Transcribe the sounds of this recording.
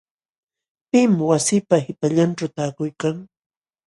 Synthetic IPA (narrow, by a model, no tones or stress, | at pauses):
pɪmwasɪːpahɪpaʎanʈ͡ʂawt̪aːkʊjkaŋ